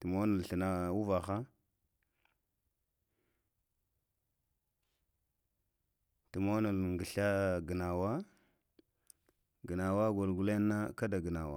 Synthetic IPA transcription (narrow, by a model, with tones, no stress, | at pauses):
tə˨mo˦na˨lɬə˨na˨u˦va˨xa˦ | tə˨mo˦na˨lŋɡi˨ɬa˦ɡə˨na˨wa˦ | ɡə˨na˨wa˦ɡo˨lɡu˦le˦nːa˦ka˦da˨ɡə˨na˨wa̰˨